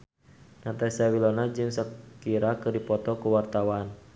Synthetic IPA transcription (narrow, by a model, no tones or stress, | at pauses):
nat̪asawilɔnad͡ʒɨŋsəkiɾakɨrdipɔt̪ɔkuwart̪awan